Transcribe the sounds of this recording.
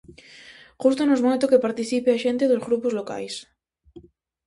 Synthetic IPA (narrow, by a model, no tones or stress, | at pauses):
xust̪onozmojt̪okepaɾt̪iθipeaʃẽnt̪eðozɣɾupozloka̰js